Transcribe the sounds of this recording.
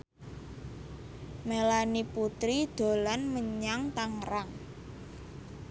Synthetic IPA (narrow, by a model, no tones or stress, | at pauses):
melaniput̪ɾid̪̥o̤lanməɲaŋt̪aŋɾaŋ